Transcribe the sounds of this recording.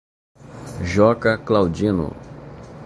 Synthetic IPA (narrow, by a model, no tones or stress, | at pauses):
ʒɔkɐklawd͡ʒĩnʊ̰